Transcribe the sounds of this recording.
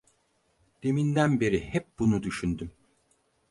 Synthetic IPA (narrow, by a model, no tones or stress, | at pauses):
d̪̥e̞mind̪ænbe̞ɾihɛp̚bunud̪yʃynd̪ym